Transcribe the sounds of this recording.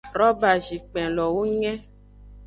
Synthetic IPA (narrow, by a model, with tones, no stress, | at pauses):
ɾɔ˦ba˨ʒi˨k͡pɛ̃˨lɔ˨wo˦ɲɛ̃˦